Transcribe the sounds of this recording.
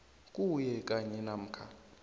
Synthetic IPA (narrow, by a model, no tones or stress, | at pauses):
kʼujɛk̬ʼaɲɛnam̩ːkʰa